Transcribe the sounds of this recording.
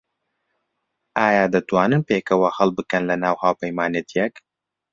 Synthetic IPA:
ʔaːjaːd̪ɐt̪waːnɨnpeːkɐwɐhɐlˠbɨkɐnlɐnaːwhaːwpɐjmaːnɐt̪ʰijɛk

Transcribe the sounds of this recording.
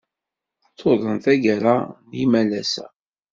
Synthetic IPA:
t͡sʰːoðˤənθæɡaɾanjimælæsæ̰

